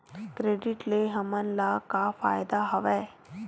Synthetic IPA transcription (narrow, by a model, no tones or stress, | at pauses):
kɾeːɖɪʈleɦɐmənlakafa̰ːjd̪aɦɐʋɛː